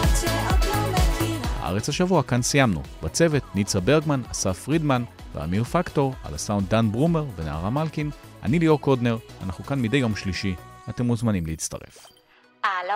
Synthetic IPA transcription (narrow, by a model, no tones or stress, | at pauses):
ha̰ʔa̰ʁet͡shaʃavuakansijamnṵbat͡se̞ve̞tnit͡sabe̞ʁɡmanasafʁidmanvḛa̰mifakto̞ʁa̰lasauntdanbʁume̞ʁvenea̰ʁamalkinʔa̰niliokodne̞ʁa̰naχukanmidejo̞mʃliʃiate̞muzmanimleit͡sta̰ʁe̞̰f